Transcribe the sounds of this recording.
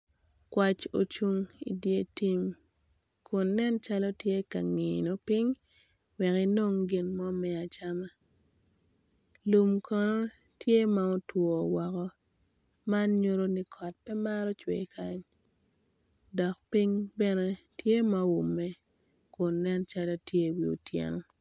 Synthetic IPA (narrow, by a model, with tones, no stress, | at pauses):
kwa˨t͡ʃo̰˨t͡ʃu˨ŋḭ˨dje˦ti˦m | kʰʊ˨nːɛ˦nt͡ʃa˦lo˦tje˦ka̰˨ŋiɪ̰˨no˨pi˦ɲ | wɛ˨ki˦no˦ŋɡɪ˨nmɔ˦mɛ˨a˨t͡ʃa˦ma˦ | lu˨mkʰɔ˨no˦ | tje˦ma˨ɔ˦twɔ˨wɔ˨kɔ˦ | ma˦nɲo˦ɾo˦ni˦kʰɔ˨t̚pɛ˦ma˦ɾɔ˦t͡ʃwḛ˨kʰa˦ɲ | dɔ˨kpi˦ɲbɛ˦ne˦ | tje˦ma˨wu˨mːɛ˦ | kʊ˨nːɛ˦nt͡ʃa˦lo˦tje˦wi˨ṵ˨tjɛ̰˨nɔ˨